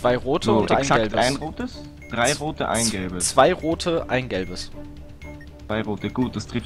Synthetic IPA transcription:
t͡sv̥aɪʁoːtʰəʊntɛaɪnsaɡɛbaɪnʁoːtəs | d̥ʁaɪʁoːtə̰ʔa̰ɪnɡɛlbəst͡sv̥aɪʁoːtʰəʔaɪnɡɛlbəs | t͡sv̥aɪʁoːtəɡ̥uːt̚d̥astʁ̥ɪf

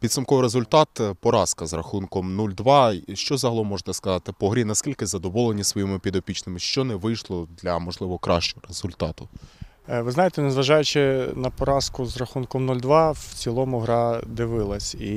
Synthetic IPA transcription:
pʲid̪sɐmkɔʋɾezʊlʲt̪ɑt̪pɔɾɑskɐzrɐxunkɔmnulʲd̪ʋɑʃt͡ʃɔzɐɦɐlˠɔmɔʒet̪ɛskɐzɑt̪ɪpɔɦɾʲinɐskʲilʲkɪzɐd̪ɔʋɔlˠenʲisʋɔjimɪpʲid̪ɔpʲit͡ʃnɪmɪʃt͡ʃɔnɛʋɪjʃlˠɔd̪lʲɐmɔʒlˠɪʋɔɔkɾɑ̰ʃt͡ʃɔɾez̥ʊlʲt̪ɑt̪ʊ | ʋɪznɑjet̪ɛnezʋɐʒɑjʊt͡ʃɪnɐpɔɾɑskʊzrɐxunkɔmnulʲd̪ʋɑwt͡sʲilˠɔmʊɦɾɑd̪ɪʋɪlˠɐsʲi

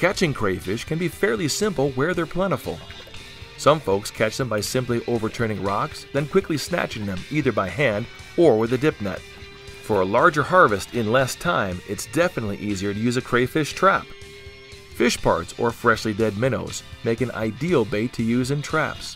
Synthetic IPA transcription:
kʰæt͡ʃɪ̃ŋkʰɹ̥eɪfɪʃkʰɨ̃nbifɛɹlˠisɪ̃mpl̩ˠwə˞ðə˞pʰl̥ɛ̃ɾ̃əfl̩ˠ | sʌ̃ɱfoʊkskʰæt͡ʃðə̃mbaɪsɪ̃mpliʔoʊvə˞tʰɜ̃˞ñɪ̃ŋɹɑksðɨ̃nkʰw̥ɪklisnæ̰t͡ʃɪ̃ŋðɨ̃miðə˞baɪɦæ̃nd | ə˞wɨðɨdɪp̚nɛ̰t̚ | fə˞əlɑɹd͡ʒə˞hɑɹvɨstʰɪ̃nlɛstʰãɪ̃mɨtsd̥ɛfənətˡlḭʔiziə˞ɾɨjʉzɨkʰɹ̥eɪfɪʃtʰɹ̥æp | fɪʃpʰɑ̰ɹtsə̰˞fɹɛʃlidɛd̚mɪ̃ño̰ʊz̥meɪkɨ̃na̰ɪdil̩ˠbeɪtʰɨjʉzɨ̃ntʰɹ̥æ̰ps

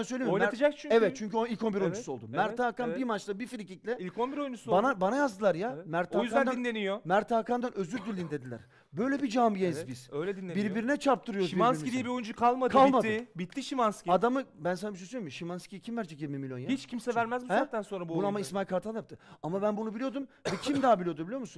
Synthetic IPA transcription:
asø̞jlʲemojlmat̪ʰad͡ʒakt͡ʃʰyɛvɛt̪̚t͡ʃʰyɲcyoilʲkʰo̞nbiɾo̞jund͡ʒusuo̞lˠd̪umæɾt̪ʰaːkanbiɾmat͡ʃlˠabifilʲiciclʲɛilʲkʰonbiɾojund͡ʒusbanabanajazd̪ɯlˠaɾjamæɾt̪ʰajzannd̪ainlʲenijomæɾt̪ʰaːkand̪anʔø̞zyɾd̪ylʲːind̪e̞d̪ilʲæ̰ɾ̥ | bø̞jlʲɛbid͡ʒambijenzbiz̥øjlʲɛd̪inːʲebiɾbiɾinɛt͡ʃʰaɾp̚t̪ʰɯɾɯjoɾzʃianid̪iɛbiojund͡ʒukʰalˠmad̪kʰalˠmad̪bit̪ʰːiʃimanskʲiad̪amɯbæns̬anabiʃøsyjomiʃimanscʲicʰimvæɾd͡ʒɛjiɾmimilʲjo̞njahit͡ʃcʰimsɛvæɾmæzbihɛat̪ʰːænso̞nɾabubunamaismajlʲkʰaɾt̪ʰaljapt̪ʰɯamabænbunubilʲijod̪umvɛcʰimd̪aːbilʲiod̪ubilʲijomusun

